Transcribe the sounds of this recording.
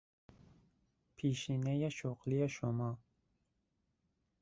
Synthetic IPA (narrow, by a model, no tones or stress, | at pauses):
pʰiʃinejɛʃoqlijɛʃomɑ